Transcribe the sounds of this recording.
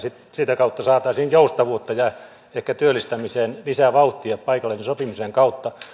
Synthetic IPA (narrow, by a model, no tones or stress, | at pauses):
sit̪sit̪ækɑut̪ːɑsɑːt̪ɑːsiːnjoust̪ɑʋuot̪ːɑjɑ | ehkæt̪yølːist̪æmiseːnlisæʋɑut̪ːieppɑikɑlːenisopimiseŋkɑut̪ːɑ